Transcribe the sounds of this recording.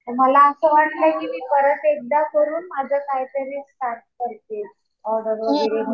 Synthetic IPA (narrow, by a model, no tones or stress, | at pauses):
əməlaːsəʋəɳləkimiːpəɾət̪ek̚d̪akəɾuːnmad͡zʱəsaɦjt̪əɾiːʈat̪̚kəɾt̪e | ɔɖəɾʋəɡeɾem